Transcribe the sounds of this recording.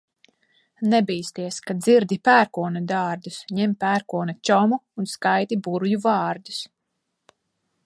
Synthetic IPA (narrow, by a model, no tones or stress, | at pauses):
nɛbiːst̪iɛskad̪ziɾd̪ipæːɾkuɔnɛd̪ɑːɾd̪usɲɛmpæːɾkuɔnɛt͡ʃɔmuunskajt̪ibuɾujuvɑːɾd̪u̥s